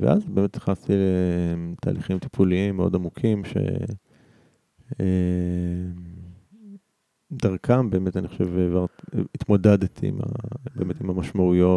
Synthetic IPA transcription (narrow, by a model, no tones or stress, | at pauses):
vḛʔa̰zbeːmet̪sḁχast̪ilet̪ʰa̰ːliχimt̪i̥pʰuliimːeo̞damukʰimʃe̞̰ | e | daʁkʰambe̞ːmetaniχoʃevevaʁit̪modedet̪ḭma̰be̞ːmetimamaʃmaujo